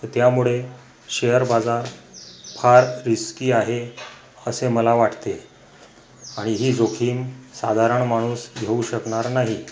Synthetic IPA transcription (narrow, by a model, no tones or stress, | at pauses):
ət̪jamuɭe | ɕejəɾbad͡zaɾpʰaɾːiskiːaɦe | əseməlaʋaʈʰt̪e | aɽ̃iɦiːd͡zokʰiːmsa̰d̪ʱaɾəɳmaɽ̃uːsɡʱeuɕəkɳaɾnaɦi